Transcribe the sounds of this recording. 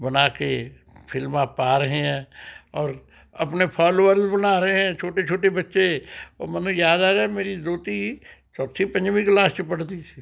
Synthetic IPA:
bɐnaːke | pʰɪlmãpaːɾəɦẽɦɛ̃ːɔːɾ | ɐ̰pnepʰɔːloːʋəɾzbənaːɾəɦeɦɛ̃t͡ʃʰoːʈet͡ʃʰoːʈebɐtːʃeɔːmənjaːd̪aːɾɛmeːɾizoːt̪it͡ʃɔːt̪ʰipə̃ɲd͡ʒmĩklaːst͡ʃepɐɽd̪isi

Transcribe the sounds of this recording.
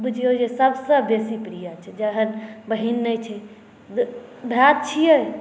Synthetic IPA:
bud͡ʒʱiod͡ʒesəbʱsə̃besipɾijat͡ʃʰɛd͡ʒəɦənbəɦinːəjt͡ʃʰɛ | bʱat̪̚t͡ʃʰijəj

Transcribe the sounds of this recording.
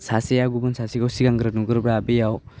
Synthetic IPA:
sasejaɡubɯnsasiɡawsiɡaŋɡɯɾɯnuɡɯɾbɾaːbejaw

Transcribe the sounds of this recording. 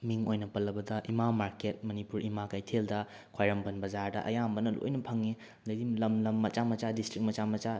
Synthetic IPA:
miŋojnɐpɐlɐbɐdɐʔimamaɾket̚mɐnipuɾimakajtʰeldɐ | kʰwajɾɐmbɐnbɐzaɾdɐ̰ʔɐ̰jambɐnɐlo̰jnɐpʰɐŋːe | d̪ɐjdilɐmlɐmːɐt͡ʃamɐt͡ʃadistɾik̚mɐt͡ʃamɐt͡ʃa

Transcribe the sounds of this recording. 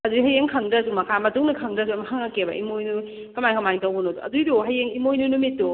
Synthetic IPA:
ɐduɦɐjeŋkʰɐŋdɐdumɐkʰamɐtuŋnɐkʰɐŋdɐduɐmɐhaŋɐkebɐ̰ʔḭmojnu | kɐmajkʰɐmantɐwbonoduɐ̰dujduɦɐjeŋimojnunumitːo

